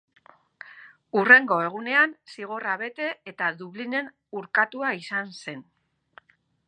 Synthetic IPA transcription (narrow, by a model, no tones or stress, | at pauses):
ure̞ŋɡo̞e̞ɣ̞une̞ansiɣ̞o̞raβe̞t̪e̞ːt̪aðuβline̞n | uɾkat̪uaisanse̞n